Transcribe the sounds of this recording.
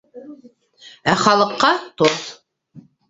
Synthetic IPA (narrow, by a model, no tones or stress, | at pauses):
æχɑlˠɤ̆qːɑt̪oθ